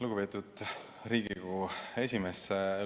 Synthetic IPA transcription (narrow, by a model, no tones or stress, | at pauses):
luɡupe̞ːt̪ud̪̥ | ɾiːɡikue̞sʲimese